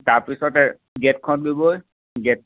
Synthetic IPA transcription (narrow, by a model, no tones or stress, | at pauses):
taɹpisɔtɛ | ɡɛt̚kʰɔn̚ɡoboj | ɡɛt̚